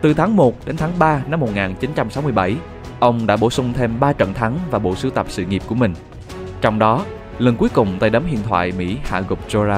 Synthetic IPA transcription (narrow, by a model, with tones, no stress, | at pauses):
t̪ɨ˨˩t̪ʰaː˨˦ŋmo˨˩t̚ɗe˨˦nt̪ʰaː˨˦ŋɓaː˧na˧mːo˨˩t̚ŋaː˨˩nt͡ɕi˨˦nt͡ɕa˧msa˨˦wmɨ˧jɓa˧˩j | ʔə˧wŋ͡mɗa̰ː˧˥ɓo˧˩sʊ˧ŋ͡mt̪ʰe˧mɓaː˧t͡ɕə̰˧˨nt̪ʰa˨˦ŋvaː˨˩ɓo̰˧˨sɨ˨˦t̪ə˨˩p̚sɨ̰˧˨ŋi˨˩p̚ku˧˩əmï˨˩ŋ̟ | t͡ɕɔ˧wŋ͡mɗɔ˨˦ | lə˨˩nku˨˦əjkʊ˨˩ŋ͡mt̪aː˧jɗə˨˦mhḭ˧˨ənt̪ʰwa̰ː˧˨jmḭ˧˥ha̰ː˧˨ɣʊ˨˩k͡p̚zo˧zaː˧